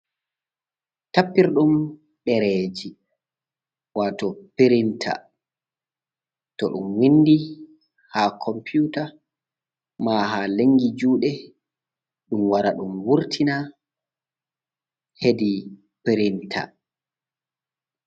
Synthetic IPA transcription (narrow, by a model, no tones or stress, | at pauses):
tapːiɾɗum | ɗɛɾeːd͡ʒi | waːtɔpeɾintʰa̰ | tɔɗṵmwinːdi | hakʰɔmpjuta | maɦaleŋːɡid͡ʒuːɗɛ | ɗumwaɾaɗumwuɾtʰina | hedi | peɾintʰa̰